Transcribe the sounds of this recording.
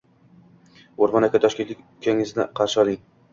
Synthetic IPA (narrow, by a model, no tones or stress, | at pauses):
oɾmɒnakʰʲːat̪ʰɒʃkʲe̞nt̪lɪkʲkʲʰːaŋɪznɪqʰɑɾʃɪɒlˠɪŋ